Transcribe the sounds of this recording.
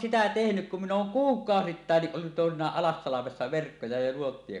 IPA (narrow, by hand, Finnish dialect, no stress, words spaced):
sitæ tehnyk kum min oːŋ kuːkˑɑositːɑˑenːiʔ ʔolːut toˑesinˑɑːʔ ʔɑlɑsːɑlɑmesːɑ ʋerkːojɑ jɑ nuotːie